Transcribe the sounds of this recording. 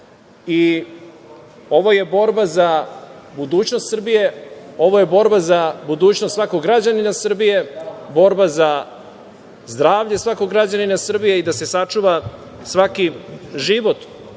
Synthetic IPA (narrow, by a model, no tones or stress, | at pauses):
i | o̞ʋoje̞bo̞ɾbazabud̪uːt͡ɕno̞st̪sr̩bijeo̞ʋoje̞bo̞ɾbazabud̪uːt͡ɕnost̪sʋako̞ɡɡɾad͡ʑaninasr̩bije̞bo̞ɾbaza | zd̪ɾaːʋʎe̞sʋakoɡɾad͡ʑaninasr̩bije̞id̪ase̞sat͡ʂuʋa | sʋakiʒiʋo̞t̪